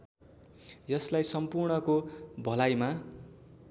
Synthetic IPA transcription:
jʌslajsʌmpurɳʌkobʱʌlajma

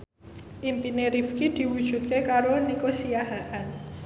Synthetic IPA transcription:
ʔimpineɾifkid̪̥i̤wud̥ʒ̥ṳt̪̚kekaɾonikosijaɦaʔan

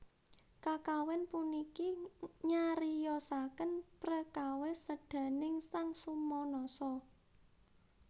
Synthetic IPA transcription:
kakawɛnpunikiɲaɾijɔsakənpɾəkawɛsəɖ̥ä̤nɪŋsaŋsumɔnɔsɔ

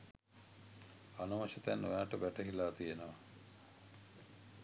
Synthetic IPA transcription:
anɐmɐʃit̪ænːojaːʈəbæʈəɦilaːt̪ijenəʋa

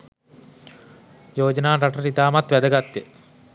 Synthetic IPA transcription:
joːd͡ʒənaːɾaʈəɾit̪aːmat̪ʋæd̪əɡat̪ːje

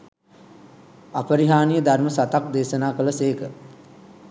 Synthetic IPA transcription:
apəɾiɦaːnijəd̪ʱarməsat̪ak̚d̪eːsənaːkələseːkə

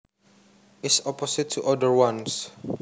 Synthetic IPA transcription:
ɪtsɔpʰɔsɪtʰːuʔɔdəɹwãns

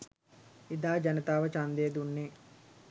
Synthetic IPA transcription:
id̪aːd͡ʒɐnət̪aːʋət͡ʃand̪eːd̪unːe

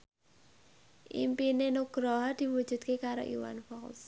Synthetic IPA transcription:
ʔḭmpinenuɡ̥ɾɔɦɔd̪̥i̤wud̥ʒ̥ṳd̪̚kekaɾo̰ʔḭwa̰nfɔks

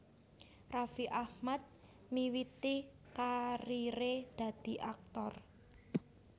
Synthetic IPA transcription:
rafiʔahmat̪̚ | miwit̪i | kaɾiɾed̪̥ä̤d̪̥i̤ʔak̚t̪ɔr

